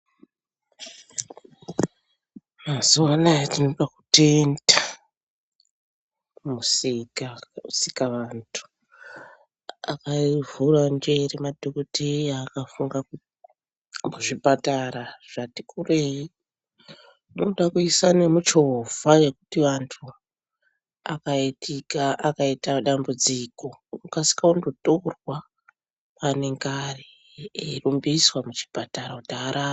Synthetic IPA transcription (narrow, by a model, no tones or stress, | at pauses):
mazuwanajatinopaku̥tenda | musikasikaʋantʰu̥ | a̰kavurand͡ʒeremadʱokotejaːkafuŋɡa | muʐipataraʐ̥ati̥kurei | noɗakuisanemut͡ʃovaje̞kutiʋantʰu | a̰kaitikaʔakaitaɗambud͡ziko̞ukasi̥kaundo̞torwa | pane̞ŋɡari | erumbiswamut͡ʃi̥pataɾautaɾa